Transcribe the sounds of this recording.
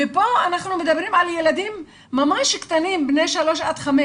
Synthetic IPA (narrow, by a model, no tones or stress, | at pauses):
ɪpoʔanaħnumɪtd̪abːɾiːmʕaljelad̪iːmː | amaʃɪkt̪aniːmbneʃaloːʃʔat̪xame